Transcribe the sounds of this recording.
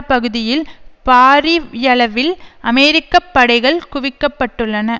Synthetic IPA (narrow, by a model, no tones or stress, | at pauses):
pɐɣɯðɪjɪlpaːɾijɐɭɐʋɪlʔɐmɛɾɪkːɐpːɐɽɐɪɣɐɭkʊʋɪkːɐpːɐʈːɯɭːɐnɐ